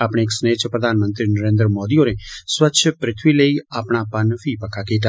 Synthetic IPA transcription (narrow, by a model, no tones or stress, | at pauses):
aːpɽ̃eːksneːt͡ʃʰəpɾəd̪ʱanmə̃nt̪ɾinəɾẽːnd̪ɾəmod̪ionesʋətːʃʰəpɾɪt̪ʰʋiləiaːpɳ̃apənfipəkʰakeʈa